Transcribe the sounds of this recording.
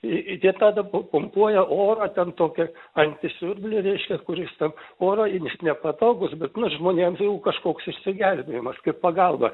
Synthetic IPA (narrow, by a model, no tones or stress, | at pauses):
ɪt̪ʲiɛt̪ɑːd̪ɐpʊpʊmpuɔjɛʔoːrɐːt̪ʲɛnt̪oːkʲɛɐnʲt̪ʲɪsʲʊrʲbʲlʲɪɾʲɛɪʃʲkʲɛkʊɾʲɪst̪ʲɛnoːɾɐɪnʲɪsnʲɛpɐt̪oːɡʊsbʲɛt̪nʊʒmoːnʲeːmsjɛʊkɐʃkoːksɪʃʲsʲɪɡʲɛlʲbʲejɪmɐskɐɪppɐɡɐlˠbɐ̰